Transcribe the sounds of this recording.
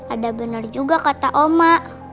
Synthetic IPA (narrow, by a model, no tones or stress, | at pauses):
adabənard͡ʒuɡakat̪aʔomaʔ